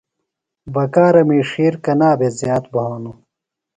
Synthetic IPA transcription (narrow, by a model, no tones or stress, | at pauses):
bɐkaːɾɐmiːʂiːɾkɐnaːbezjaːt̪bɐoːnu